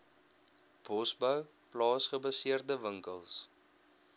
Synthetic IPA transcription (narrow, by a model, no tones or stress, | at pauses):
b̥ɔsbəw | plɑːsχəbɐsiərdəvəŋkəlˠs